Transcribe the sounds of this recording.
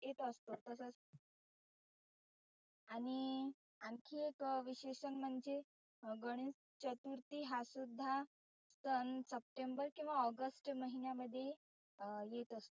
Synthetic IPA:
jet̪əst̪ot̪əsəs | aɽ̃i | aŋkʰiːekʋiɕeɕənm̤əɳd͡ze | ɡəɽ̃is | t͡ɕət̪uɾt̪iːɦasud̪ʱːa | st̪ənsəp̚ʈembəɾkĩw̃ʋaɔɡəsʈməɦinjaməd̪ʱːje | jet̪əst̪o

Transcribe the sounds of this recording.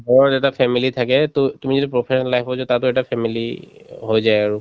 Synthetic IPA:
bɔɹɔɛtapʰɛmilitʰakɛttumizitipɹɔpʰesɔnalaɦpɔzɔtatʊɛtapʰɛmiliɦojzajaɹu

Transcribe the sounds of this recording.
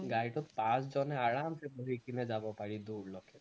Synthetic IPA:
ɡajʈɔt̪pãsd͡ʒɔneaɽamseboɦikined͡ʒabɔpaɽid̪uɾlɔkʰe

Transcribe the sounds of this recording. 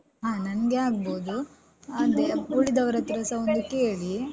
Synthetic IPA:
ɦãːnɐnɐɡe̞aːɡ̚boːd̪u | ɐnd̪ebuɭid̪ɐʋɐɾɐt̪ɐɾɐsɐond̪uke̞ːɭi

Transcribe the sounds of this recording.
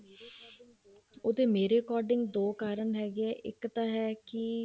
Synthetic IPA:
ʊd̪eːmeːɾeːkɔːɾɖɪŋɡd̪oːkaːɾənɦɛːɡeɛːʔɪ̰kt̪ãːɦɛːkɪ

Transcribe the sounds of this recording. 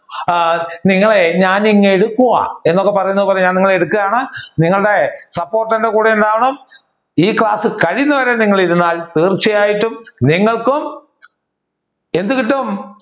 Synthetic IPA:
niŋːɐɭeɲaːniŋːeɽukːuɣɐ̰e̞nːokːe̞pɐrɐjunːɐðɨpoːlːeɲaːniŋːɐɭeɽukːɐɣaːɳɨniŋːɐɭuɽe̞sɐpːo̞ːrʈːɐnde̞kuːɽejunɖaːʋɐɳɐm | iːkɭaːsɨkɐɻinːɐʋɐɾeːniŋːɐɭiɾunːaːlt̪iːrt͡ɕːɐjaːjiʈːumniŋːɐɭkum | e̞nd̪ukiʈːɐm

